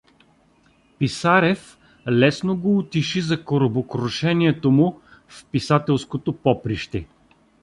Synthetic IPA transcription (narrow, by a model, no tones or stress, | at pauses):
pisaɾɛf | lɛsnoɡoːt̪iʃizɐkoɾobokɾoʃɛniɛt̪omʊfpisat̪ɛlˠskot̪opɔpɾiʃt̪ɛ